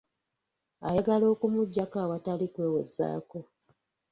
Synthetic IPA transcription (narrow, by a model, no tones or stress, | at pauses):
ajaɡalo̞ːkumuɟːakawatalikwe̞ːwezːa̰ːko̞